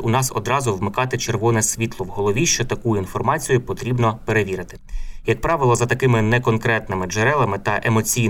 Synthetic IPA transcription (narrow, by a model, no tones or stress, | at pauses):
ʊnɑsɔ̰d̪ɾɑzʊʋmɪkɑt̪ɪt͡ʃerʋɔnɛsʲʋʲit̪lˠɔwɦɔlˠɔʋʲiʃt͡ʃɔt̪ɐkujʊinfɔrmɑt͡sʲijʊpɔt̪ɾʲibnɔpe̞ɾeʋʲiɾɪt̪ɪ̥jɐk̚pɾɑʋɪlˠɔzɐt̪ɐkɪmɪnɛkɔnkɾɛt̪nɪmɪd͡ʒeɾɛlˠɐmɪt̪ɐʔemɔt͡sʲijn